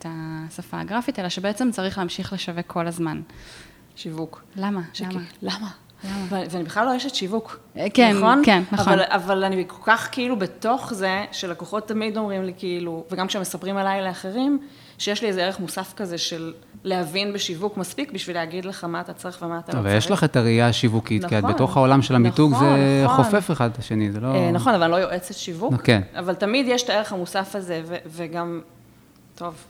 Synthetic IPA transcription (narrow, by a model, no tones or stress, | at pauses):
etasafa̰ːɡʁafitelaʃebeet͡semt͡saʁiχleamʃiχleʃavekʰːo̞lazman | ʃivuklamaalama | avveanibeχlalojeʃetʃivukkennχo̞nkenːaaalavalanibkokaχkeilubeto̞χzeʃelakoχo̞tːamido̞mʁimlikiiluveɡamkʃemesapʁimalajleaχe̞ʁim | ʃejeʃliezeeʁeχmusafkazeʃelː | ehavinbeʃivukmaspikbiʃvileaɡidleχamaːt̪at͡saʁeχvemaːtaaavaljeʃlaχetaʁijaʃivukitkiatbeto̞χhaolamʃelamituɡzeχofefeχad̪laʃenizelonaχo̞navallo̞jo̞ʔet͡setʃivukena̰valtamid̪jeʃtaeʁeχhamusafaze̞veveɡam | to̞v